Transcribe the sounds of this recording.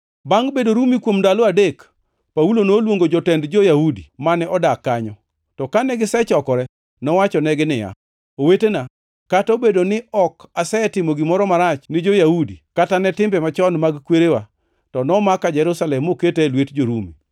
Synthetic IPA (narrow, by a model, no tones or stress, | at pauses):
baŋbedoɾumikwomdaloadek | paulonolwoŋɡod͡ʒɔtɛndd͡ʒojahudimanɛʔɔdakːaɲɔ | tɔkanɛɡɪsɛt͡ʃɔkɔɾɛ | nɔwat͡ʃɔnɛɡɪnɪja̰ | owetena | katobedonɪɔkasɛtɪmoɡɪmɔɾɔmaɾat͡ʃnɪd͡ʒojahudikatanɛtɪmbɛmat͡ʃɔnmaɡkweɾewa | tɔnɔmakad͡ʒɛɾusalɛmoketelwetd͡ʒoɾumi